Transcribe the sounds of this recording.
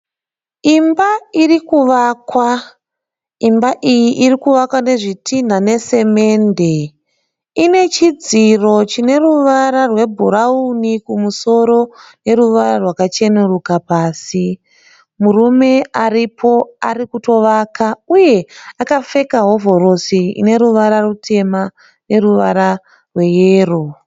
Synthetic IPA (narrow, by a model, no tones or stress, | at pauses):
imbairikuʋaːkwa | imbaʔijiʔirikuʋakwane̞ʐitin̤ane̞se̞me̞ːnde̞ | ine̞t͡ʃid͡ziro̞t͡ʃine̞ruʋaɾarwe̞bʱuɾaunikumuso̞ɾo̞ne̞ɾuʋaɾarwakat͡ʃe̞nerukapaːsi | murume̞aripʰo̞a̰rikuto̞ʋakauje̞akafe̞kaɦo̞vo̞ɾo̞siḭne̞ɾuʋaɾarutʰe̞ma | ne̞ruʋaɾa | rwe̞jeːro